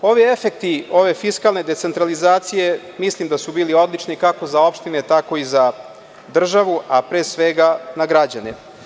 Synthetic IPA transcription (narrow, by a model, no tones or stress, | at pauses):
o̞ʋiefek̚t̪io̞ʋe̞fiskalˠne̞d̪e̞t̪se̞nt̪ɾalizaːt̪sije̞ | mislimd̪asubiːlio̞d̪lˠit͡ʂnikako̞zao̞pʃt̪ine̞t̪ako̞iza | d̪r̩ʒaʋuapɾeːsʋe̞ɡanaɡɾad͡ʑanḛ